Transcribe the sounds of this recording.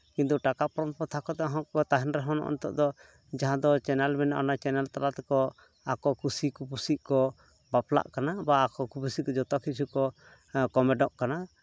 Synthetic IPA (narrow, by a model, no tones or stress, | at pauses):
kint̪uʈakapɾɔmpɔt̪ʰakɔt̪ɛɦɔ̃kɔt̪aɦɛnɾɛɦɔnɔ̰ʔɔ̰nt̪ɔ̰ʔd̪ɔ | d͡ʒaɦãd̪ɔt͡ʃɛnɛlmɛna̰ʔɔ̰nat͡ʃɛnɛlt̪alat̪ɛkɔ | akɔkusikupusiʔkɔ | bapla̰ʔkanabaːkɔkupusiʔkɔd͡ʒɔt̪ɔkʰit͡ʃʰukɔ | kɔmɛɖɔʔkana